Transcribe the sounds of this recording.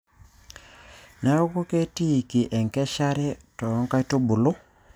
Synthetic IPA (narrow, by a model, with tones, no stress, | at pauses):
na˦o˦ko˦ke˦ti˦˨ki˨ʔɛ˨ŋkɛ˦ʃa˦ɾɛ˦tɔ˨jɔ˦ŋka˦i˦to˦bu˨lo˦